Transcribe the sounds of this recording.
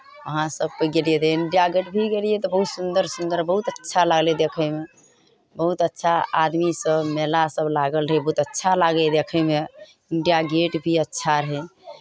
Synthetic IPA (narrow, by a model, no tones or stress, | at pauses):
əɦãsəb̚kəɡelijed̪eiɳɖijaɡeʈbʱiɡeliet̪ɔbəɦut̪sund̪əɾsund̪əɾbəɦut̪ətːʃʰalaɡled̪ekʰəme | bəɦut̪ətːʃʰaad̪misəbmelasəblaɡəlɾɦɛjbəɦut̪ətːʃʰalaɡed̪ekʰəme | iɳɖijaɡeʈbʱiətːʃʰaɾəɦɛ